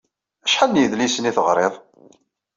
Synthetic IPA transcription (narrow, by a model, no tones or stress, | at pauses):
æʃħanːjəðlisəniθəʁɾˤeðˤ